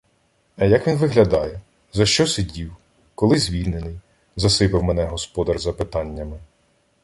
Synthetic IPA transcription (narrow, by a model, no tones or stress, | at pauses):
ɐjɐkʋʲinʋɪɦlʲɐd̪ɑjɛ | zɐʃt͡ʃɔsedʲiw | kɔlˠɪzʲʋʲilʲnenɪj | zɐsɪpɪwmɛnɛɦɔspɔd̪ɐrzɐpɪt̪ɑnʲːɐmɪ